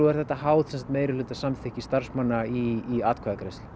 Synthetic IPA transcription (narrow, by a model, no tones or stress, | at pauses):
uɛɾθɛt̪ːaɦaːwt̪sɛnsat̪meːjɾɪlʏːt̪ḁsamθʰɪhcist̪ar̥smanːaiːaːt̪kʰaːðakɾejst̪l